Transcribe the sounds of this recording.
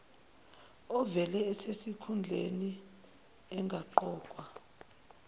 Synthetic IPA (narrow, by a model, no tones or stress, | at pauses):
ɔvɛlɛːsesikʰund͡ɮʱḛni | ɛŋɡʱaǃɔːkʼwa